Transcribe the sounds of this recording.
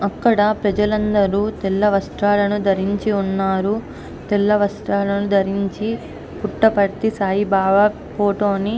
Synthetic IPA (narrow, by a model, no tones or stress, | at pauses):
ɐkːɐɽɐpɾɐd͡ʒɐlɐnd̪ɐɾuːt̪ɛlːɐʋɐsʈ̪ɾaːlɐnud̪ɐɾiɲt͡ʃiunːaːɾu | t̪ɛlːɐʋɐsʈ̪ɾaːlɐnud̪ʱɐɾiɲt͡ʃi | puʈːɐpɐɽt̪isaːjibaːʋɐ | poːʈoːni